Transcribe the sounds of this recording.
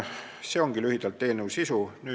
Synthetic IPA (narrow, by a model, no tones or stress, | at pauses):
se̞oŋɡ̥ilyhid̪̥ɑlt̪ːˑe̞ːlnuwsisunyː